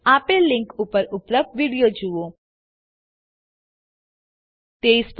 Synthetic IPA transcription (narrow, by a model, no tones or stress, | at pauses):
aːpelɪ̃ŋkupəɾʊpləb̚ɖʋiːɽijod͡ʒuʋo | t̪eisp